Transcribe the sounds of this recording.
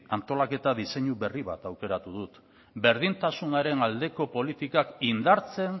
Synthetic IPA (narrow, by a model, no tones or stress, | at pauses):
ant̪o̞lake̞t̪aðise̞ɲuβe̞riβa̰t̪awke̞ɾat̪uðut̪ | be̞ɾð̞int̪asunaɾe̞nald̪e̞ko̞po̞lit̪ikakind̪aɾt͡se̞n